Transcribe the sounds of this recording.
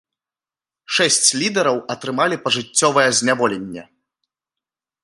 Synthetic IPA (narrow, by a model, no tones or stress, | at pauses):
ʂɛsʲt͡sʲlʲid̪ɛɾɐwɐt̪ɾɨmalʲipɐʐɨt͡sʲːɔvɐjɛzʲnʲavɔlʲenʲːɛ̰